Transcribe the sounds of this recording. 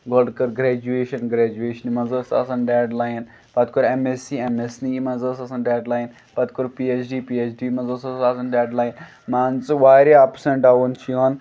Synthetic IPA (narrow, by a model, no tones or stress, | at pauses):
ɡolɖkɐɾɡɾɛːd͡ʒueːʃɐnɡɾɛːd͡ʒueːʃɐnimɐzəːsɐsɐnɖeːɖlaːjn | pɐt̪koɾemesiemesniimɐzəsɐsɐnɖeːɖlaːjn | pɐt̪̚koɾpiet͡ʃʰɖiːpiet͡ʃɖimɐzəsɐsasɐnɖeːɖlaːjn | mãːnt͡sɨʋaːɾiaːpseɳʈaːʋunt͡ʃʰioːn